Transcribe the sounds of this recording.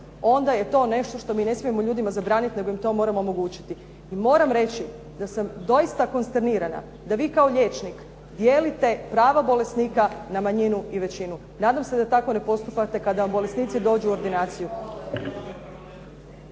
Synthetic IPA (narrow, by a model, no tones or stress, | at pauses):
o̞nd̪aje̞t̪o̞ːne̞ʃt̪o̞ʃt̪o̞miːne̞smie̞moʎuːd̪imazabɾaːnit̪neɡo̞jimt̪o̞ːmo̞ːɾamoomo̞ɡuːt͡ɕi̥t̪i | imo̞ːɾamɾe̞t͡ɕi | d̪asamd̪o̞jist̪ako̞nst̪eɾniːɾana̰ | d̪aʋiːkao̞ʎeːt͡ʃnik | d̪je̞ːlit̪e̞pɾaːʋabo̞le̞sniːkanamaɲinuiʋe̞t͡ɕinu | naːd̪amse̞d̪at̪ako̞ne̞po̞st̪upat̪e̞kad̪aʋambo̞le̞sniːt̪sid̪o̞ːd͡ʑuo̞ɾd̪inaːt̪siju